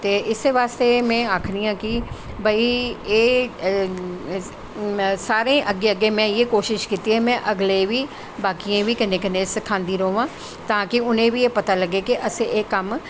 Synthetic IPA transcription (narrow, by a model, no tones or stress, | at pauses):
t̪eːɪseʋaːst̪eːmɛ̃ːaːkʰɾijãːkɪ | baːieː | saːɾẽːʔəɡeːəɡːeːmɛ̃ːjeːkoːʃɪʃkiːt̪iɦɛːmɛ̃ːʔəɡleːʋiː | baːkiãːʋiːkənẽːkənẽsɪkʰãːnd̪iːɾoːʋãː | t̪ãːkɪʊnẽːʋieːpət̪aːləɡːeːkɪʔəseeːkəm